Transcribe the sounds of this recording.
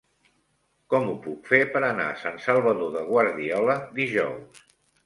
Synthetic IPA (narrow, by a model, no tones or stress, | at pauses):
kɔmupukfepəɾəna̰sansəlˠβəðoðəɣ̞wəɾðiɔləd̪iʒɔws